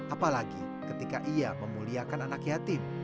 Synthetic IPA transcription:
ʔapalaɡi | kət̪ikaʔiaməmuliakananakjat̪ɪm

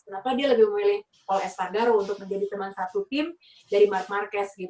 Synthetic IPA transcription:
kənapadialəbɪhməmilɪh | kɔlɛst̪aɡaɾount̪ʊk̚məɲd͡ʒadit̪əmansat̪ut̪ɪm | daɾimark̚markɛs̚ɡit̪

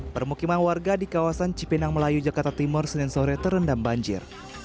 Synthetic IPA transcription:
pərmukimanwarɡadikawasant͡ʃipinaŋməlajud͡ʒakart̪at̪imʊrsənɪŋsoɾɛt̪əɾəndambaɲd͡ʒɪ̰r

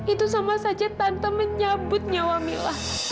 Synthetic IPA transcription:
it̪usamasad͡ʒat̪ant̪aməɲabʊt̪̚ɲawamilah

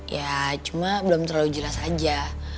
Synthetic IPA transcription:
jat͡ʃumabəlomt̪əɾalud͡ʒəlasad͡ʒa

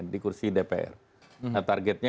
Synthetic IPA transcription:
ndikursidepeʔɛ̰r | at̪arɡɛt̪̚ɲa

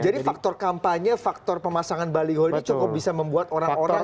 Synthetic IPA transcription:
d͡ʒadifak̚t̪ɔrkampaɲafak̚t̪ɔrpəmasaŋanbaliɦɔinit͡ʃɔkɔp̚bisaməmbuat̪oɾaŋoɾa

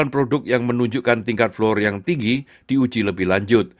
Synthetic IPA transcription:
anpɾodʊk̚jaŋmənuɲd͡ʒukant̪iŋkat̪̚flɔrjaŋt̪iŋɡi | d̥iud͡ʒiləbɪhlaɲd͡ʒʊt̪̚

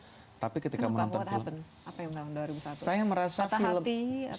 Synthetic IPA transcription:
t̪apikət̪ikamənnɔnt̪ɔfilpən | apajaŋaldaɾiasajaməɾasat̪filəmi

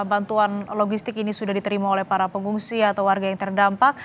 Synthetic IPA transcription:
bant̪uanloɡist̪ɪkinisudahdit̪əɾimaolɛhpaɾapəŋuŋsiat̪awwarɡajaŋt̪ərdampak̚

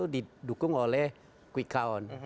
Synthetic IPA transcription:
odit̚dukuŋɔlɛ | kwikʰaɔn

